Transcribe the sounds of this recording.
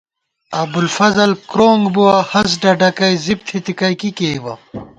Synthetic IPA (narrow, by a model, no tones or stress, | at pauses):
ɐbulfɐzɐlkɾoːŋɡbuɐhɐs̬ɖɐɖɐkɐjzib̚t̪ʰit̪ikɐjkikeːbɐ̰